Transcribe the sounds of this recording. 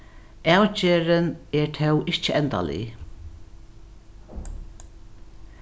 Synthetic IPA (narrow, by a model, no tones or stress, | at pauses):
awt͡ɕeːɾɪnɛɹt̪ʰɛwɪht͡ʃəɛnt̪a̰lɪ̰